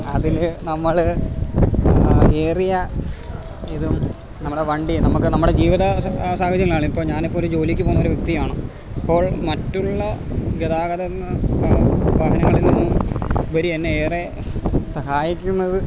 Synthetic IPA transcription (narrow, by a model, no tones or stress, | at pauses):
ɐðilnɐmːɐɭ | eːrijɐ | iðum | nɐmːuɽeʋɐɳɖinɐmukːɨnɐmːuɽe̞d͡ʑiːʋiðɐsaːɡɐd͡ʑjɐŋɐɭaːɳipːoːɭɲaːnipːoːɾud͡ʑo̞ːlikʲːɨpo̞ːnːɐoɾuʋjɐk̚t̪ijaːɳɨ | ipːo̞ːɭmɐtːuɭːɐ | ɡeðaːɡɐðɐ | ʋaːɦɐnɐŋːɐɭilninːumbɐɾienːeeːre | sɐɦaːjikʲːunːɐðɨ